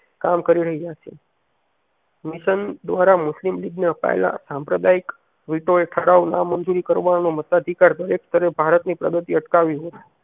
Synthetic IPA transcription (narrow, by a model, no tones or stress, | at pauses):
kamkəɾiɾəɦid͡ʒaʃʰe | miʃənd̪ʋaɾamʊslimliɡneəpa̰ḛla̰sãmpɾəd̪aik | ʋiʈoeʈʰəɽauna̰mənd͡ʒuɾikəɾʋannomət̪ad̪ʱikaɾd̪əɾekst̪əɾebʱaɾət̪nipɾəɡət̪iəʈkaʋiɦot̪